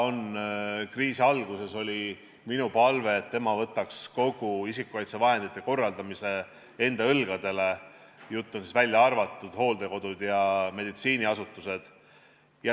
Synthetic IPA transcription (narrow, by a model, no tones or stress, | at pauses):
o̞nkriːsiɑlɡ̥use̞so̞lʲi | minupɑlve̞ːt̪ːe̞mɑvɤt̪ˑːɑksko̞ɡ̥uisikːˑukɑjt̪sevɑɦe̞nd̪̥it̪ˑːe̞ko̞rːɑld̪ɑmise̞ | e̞nd̪ɑɤlɡ̥ɑd̪̥e̞le̞ | jut̪ˑːonsisvælʲjɑɑrvɑt̪ˑːud̪̥ho̞ːld̪̥e̞ko̞d̪̥ud̪̥jɑme̞d̪it̪siːniɑsut̪ːˑuse̞d̪̥ | jɑ